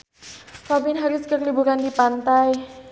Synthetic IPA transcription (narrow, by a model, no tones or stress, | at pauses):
kɔbɪnɦaɾiskərlibuɾandipant̪aj